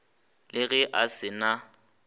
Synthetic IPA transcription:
lɪɣɛʔasɪna

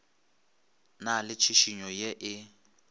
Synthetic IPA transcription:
nalɪt͡ʃʰiʃiɲɔjeʔɪ

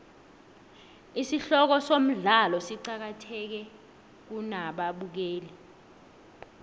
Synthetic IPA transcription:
isiɬɔk̬ɔsom̩ɮalɔsiǀak̬atʰɛk̬ɛ | k̬unaɓaɓuk̬eːlɛ

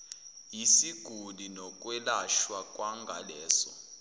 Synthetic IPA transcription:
jisiɡ̥ʱulinɔk̬ʼwɛlaʃwakʼwaŋɡʱa̰lɛːsɔ

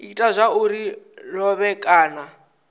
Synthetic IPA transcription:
itʼazʷauɾilɔβɛkʼaːna

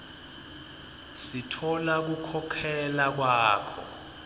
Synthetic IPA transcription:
sitʰɔlak̬ukʰɔkʰɛlak̬waːkʰɔ̰

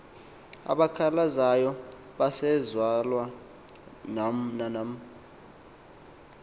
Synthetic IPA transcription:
a̰ɓakʰalazajɔ | ɓasɛzwalwa | nnanam

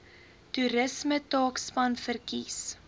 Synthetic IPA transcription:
tuɾəsmətɑːkspɐnfərkis

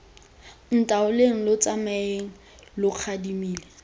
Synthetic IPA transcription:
n̩tʼaʊleŋ̩lʊt͡sʼamɛeŋ̩ | lʊq͡χʰadimiːle

